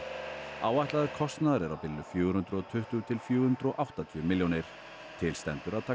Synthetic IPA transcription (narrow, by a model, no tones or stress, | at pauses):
aːwvajht̪laðʏɾkʰɔst̪naðaɾɛɾawpɪlːʏfjuːɾʏnt̪ɾɔt̪ʰʏht̪ʏt̪ʰɪlfjuːhʏnt̪ɾɔʔawht̪at̪ʰijʏmɪljownɪɾ̥ | t̪ʰɪlst̪ɛ̰nt̪ʏɾaðt̪ʰaː